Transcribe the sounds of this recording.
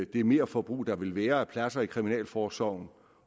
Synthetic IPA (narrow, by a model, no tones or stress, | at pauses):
d̥e̝ɐme̝ːɐfɒb̥ʁṵːd̥ɑ̈ʋe̝lʋæːɐæpʰlæsɐikʰʁiminɛ̰ːlfɒːsɒʊ̰n̩